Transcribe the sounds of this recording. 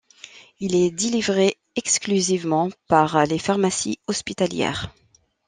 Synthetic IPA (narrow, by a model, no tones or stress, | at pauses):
ilɛd̪elivʁe | ɛksklyzivmɑ̃paʁlefaʁmasḭɔspit̪aljɛ̰ːʁ